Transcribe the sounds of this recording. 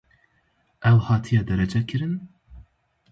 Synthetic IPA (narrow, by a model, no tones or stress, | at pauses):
ʔɛwhɑːt̪ʰijɑːd̪ɛɾɛd͡ʒɛkʰɨɾɨn